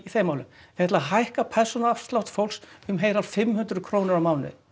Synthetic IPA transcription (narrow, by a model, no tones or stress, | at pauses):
iθejmaːwlɪ̰mθɛtlaɦajhkapʰɛɾ̥sɔnaafst̪lawht̪fowlsʏmɦeːjɾal̥fɪmhʏnt̪ɾʏkʰɾownɪɾawmaːwnɪ̰